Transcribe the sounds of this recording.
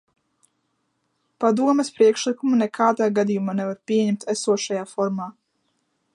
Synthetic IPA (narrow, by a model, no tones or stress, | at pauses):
pad̪uɔmɛspɾiɛkʃlˠikumunɛkʰaːd̪aːɡad̪ijumaːnɛvaɾpʲiɛɲɛmt̪ʰæsuɔʃajaːfɔɾmaː